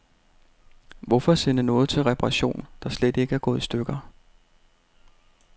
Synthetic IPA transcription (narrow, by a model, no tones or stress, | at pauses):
ʋɒ̽fɒsenənɔ̽ːð̞̩ˠt͡sʰe̝lʁɛpʰɑʁɑɕo̝̰ːnd̥ɑ̈sled̥e̝ɡ̥əæɐɡ̥ɔ̽ːðˠsd̥øɡ̥ɐ